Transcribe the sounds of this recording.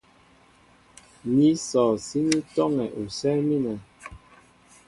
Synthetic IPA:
ni˨˦sɔː˨si˦ni˦tɔ˦ŋɛ˨ʔu˨sɛ˦mi˦nɛ˨

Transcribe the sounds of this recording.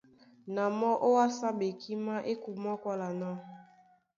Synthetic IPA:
na˨mɔ˦ʔo˦a˦sa˦be˨kʰi˦ma˦ʔe˦ku˨ma˦kwa˦la˨na˦

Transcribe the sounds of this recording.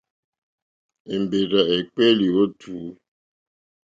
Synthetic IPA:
e˨m˨be˨ɾa˨e˨k͡pe˦li˨o˦tʰuː˨˦

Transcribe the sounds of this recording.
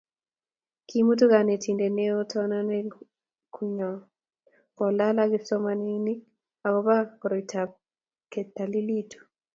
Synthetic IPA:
kimu˦t̬u˦ɡa˨ne˨tʰi˨nde˨neɔ˦tʰɔna˦nɛ | kʰuɲɔ˨ | kɔ˨la˦laɡɪsɔ˦mani˦ni˦ | a˨kɔba˦kɔ˨ɾɔita | kɛta˨li˦li˦tu̥˨

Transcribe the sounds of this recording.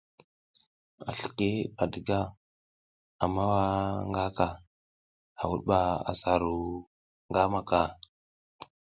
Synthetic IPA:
a̰˨ɬə̥˨ke˦a˨ɗə˨ɡa˦ | a˨ma˦wa˦ŋɡa˦ka˨ | a˨wṵ˦ɗɓa˨a̰˨sa˨ɾu˦ | ŋɡa˦ma˨ka˨

